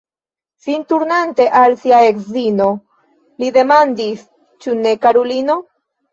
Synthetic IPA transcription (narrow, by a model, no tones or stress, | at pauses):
fintuɾnante̞ʔalsiae̞kzino̞ | lide̞mandis | t͡ʃune̞kaɾolino̞